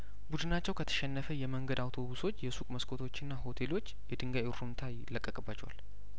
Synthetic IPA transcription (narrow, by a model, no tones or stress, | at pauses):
bud̪ɨnat͡ʃːɛwkʰət̪ʰə̥ʃɛnːəfəjɛməŋɡəd̪awt̪ʰoβuso̞t͡ʃːjɛsukʼməskʰʼo̞t̪ʰo̞t͡ʃːɨnːaɦo̞t̪ʰe̞lo̞t͡ʃːjɛd̪ɨŋɡajuɾumt̪ʰajɪlːəkʼːəkʼəbat͡ʃːɛwa̰l